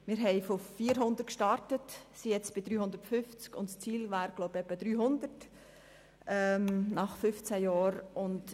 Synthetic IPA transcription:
mɪɾɦɛɪfofiːəɾɦʊnd̪ərt̚kʃtɑɾtətsijɛt͡sb̥ɪd̥̪ɾyːhʊnd̪əɾtfʏft͡skʊntst͡siːlvaːɾɡ̥loʊbɛpːəd̪ɾyːɦʊnd̪ərt | ʔɛmnɑχfʏft͡sæjɑːɾʊnd

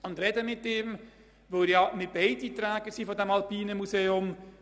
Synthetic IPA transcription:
ʊnd̪ɾɛdəmɪtɪːm | ʋoːɾjɑmɪt̚b̥ɛɪditɾɛːɡəɾsiːfɔdɛmɑlpiːnəmuseːʊm

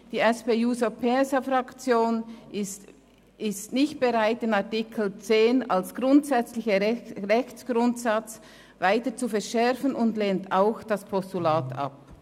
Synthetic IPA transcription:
d̥iːɛspeːjuːsopʰesafɾakt͡sjoːnst | ɪstnɪçt̚b̥eʁaɪtɪnaʁtɪkʰl̩t͡seːna̰lsɡ̥ʁʊntsɛt͡slɪçəʁɛçsɡ̥ɾʊntsat͡s | vaɪtət͡sufɛɐʃɛʁfənʊndleːntaʊxd̥aspʰɔstulaːtʰa̰p̚

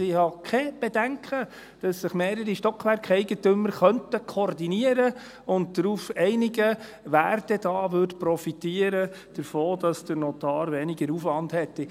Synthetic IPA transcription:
ɪhɑkʰɛb̥edæŋkχə | d̥ɑsːɪχmeːɾəɾiʃtɔkʰʋæɾkχɛɪɡətʏmːəɾχœntəkʰɔrdiniəɾə | ʊnt̚d̥ɾuːfɛɪniɡə | ʋæːrdɛd̥ɑːʋʏɾdpɾɔfitiəɾə | d̥əɾfoːdɑsd̥ənɔt̪ɑːɾʋɛnɪɡəɾufʋɑndhɛt̪ːi

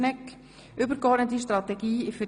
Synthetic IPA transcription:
nɛk | ʔʏbəɾkɔɾdnətiʃtʁɑtɛɡ̥iːɪfə

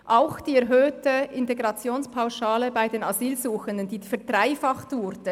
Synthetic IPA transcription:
ʔaʊxd̥iːɛɾɦøːtəɪnteɡɾɑt͡sjoːnspʰaʊʃaːləbaɪdeːnaziːlzuːxəndənd̥iːfɛɐd̥ʁaɪfɑχtvʊɾd̥ə

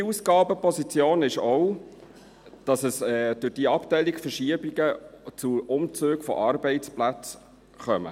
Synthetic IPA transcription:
iusɡɑːbəpʰɔsit͡sjoːnɪʃɔw | d̥ɑsəsɛːd̥ʉɾd̥iəɑptɛɪlikfəʃiəbiɡət͡suʔʊmt͡søːɡfɔ̰ʔɑːɾbɛɪt͡splæt͡s | χœmə̰

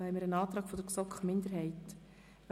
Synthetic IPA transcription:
hɛɪmɪɾənɑːt̪ɾɑːɡfɔd̥əɾksɔkχəmɪnd̪əɾɦɛɪt

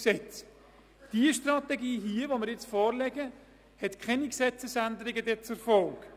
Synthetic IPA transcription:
sɛt͡s | d̥iəʃtrɑtɛɡiːɦiəvomɪɾjɪt͡sfɔːɾlɛɡə | hɛt̪kχɛniksɛt͡səsændəɾɪɡədɛt͡sʊɾfɔlk

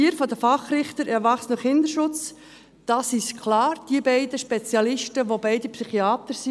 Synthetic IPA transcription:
iəɾfɔdəfɑχrɪχt̪əɾɛɾʋɑχsnəχɪnd̪əɾʃʊt͡s | d̥ɑːsɪʃkʰlɑːɾd̥iəbɛɪdəʃpɛt͡sjɑlɪʃtəʋobɛɪdipsyχiɑːt̪əɾsi

